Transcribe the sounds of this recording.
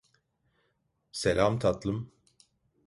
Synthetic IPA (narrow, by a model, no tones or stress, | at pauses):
selʲamt̪ʰat̪lˠɯm